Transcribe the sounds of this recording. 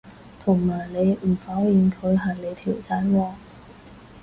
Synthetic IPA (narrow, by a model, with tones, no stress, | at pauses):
t̪ʰʊ˨˩ŋmaː˨˩jle˨˧jm̩˨˩faː˨˥wjiː˨˩nkʰɵ˨˧ɥɦaː˨˩le˨˧jt̪ʰiː˨˩wsaː˧˥jwɔː˧